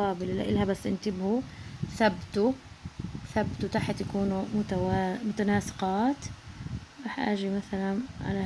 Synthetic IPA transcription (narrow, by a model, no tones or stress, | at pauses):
ɑːbɪlʔɪlːaʔɪlhabasːʔɪnt̪ɪbhuθabt̪u | θabt̪ut̪aħt̪jakuːnumʊt̪aamʊt̪anaːsɪ̥qɑːt̪ | ɾˤɑːħʔa̰ːʒimaθalanʕa̰la